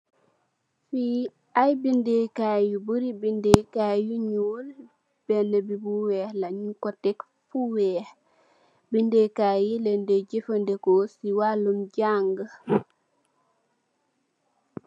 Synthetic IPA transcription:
fiː | ʔajbindekaːjubuɾibindekaːjuɲuːl | b̥ɛnɛbibuwɛhlaɲukɔtɛk | fuwɛːh | bindekaːjilɛndɛɟefəndɛkɔsiwalumɟaŋɡə

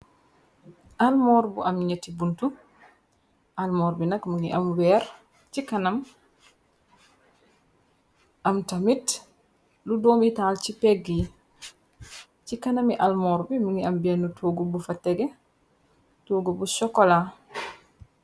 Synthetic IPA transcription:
ʔalmɔːɾbṵʔamɲetːibuntu | ʔalmɔːɾbinɐkmuŋiʔamwɛːɾ | t͡ʃikanam | ʔamtamit | ludoːmitaːlt͡ʃipɛɡi | t͡ʃikanamiʔalmɔːɾbimuŋiambɛnutʰoːɡubufatːɛɡɛ | toːɡubusɔkːɔla

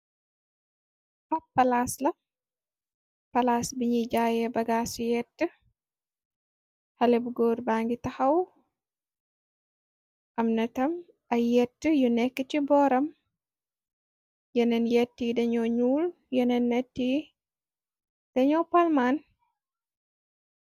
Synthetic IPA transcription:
pɐppːɐlaslɐ | pɐlaːsbiɲid͡ʒaːjɛbɐɡaːsujɛtːə | hɐlɛbɡɔːɾbaŋɡitɐhɐw | ʔɐmnɐtɐm | ɐjɛtːəjunɛkːət͡ʃibɔːɾɐm | jɛnɛnjɛtːidɐɲɔɲuːl | jɛnɛnːɛtːi | d̥ɐɲɔpalman

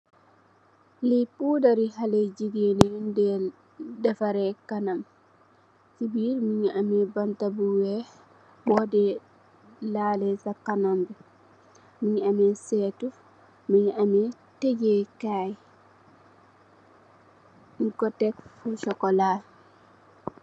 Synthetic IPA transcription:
lipudaɾiɦaled͡ʒiɡenindɛ | dafaɾɛkanam | sibiːɾmiɲamɛbantabuwɛ | bɔdɛ | lalɛsakːanombi | miɲamesɛtu | miɲame | teɟekaj | nkɔtɛkfuʃɔkɔla

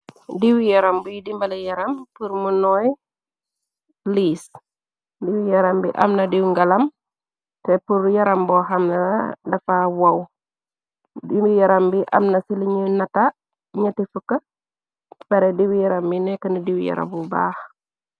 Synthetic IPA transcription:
diwijɐɾɐmbujidimbɐlɐjɐɾɐmpuɾmunɔj | liːs | diwijɐɾɐmbḭʔɐ̰mnɐdiwŋɡɐlɐm | tɛpuɾjɐɾɐmbɔxɐmnɐ̰dɐfawɐw | dimbijɐɾɐmbiʔɐ̰mnɐsiliɲujnɐta | ɲɐtifukːɐ | b̥ɐɾɛdiwijɐɾɐmbinɛkːɐnidiwjɐ̰ɾɐ̰mbuba̰ːx

